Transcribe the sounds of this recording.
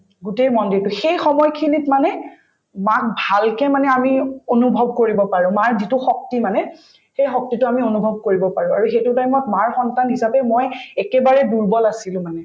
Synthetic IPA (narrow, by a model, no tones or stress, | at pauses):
ɡutejmɔndiɹtʊxejxɔmɔjkʰinitmanɛ | mak̚bʱalkɛmanɛamionubʱɔb̚koɹibɔpaɹʊ̃maɹzitʊxɔk̚timanɛ | xejxɔk̚titʊamionubʱɔb̚koɹibɔpaɹʊ̃aɹuxetʊtajmɔtmaɹxɔntanɦisapɛmojɛkɛbaɹɛduɹbɔlasilʊ̃manɛ